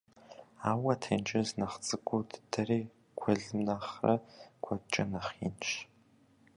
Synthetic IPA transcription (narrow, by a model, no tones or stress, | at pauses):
aːwɐtʰɐnd͡ʒʼɐznɐχt͡sʼɨɡʷʼʊdʰdɐreː | kʷʰɔɮɨmnaːχrɐ̰kʷʰɐt͡ʃʼɐnɐχḭnʃ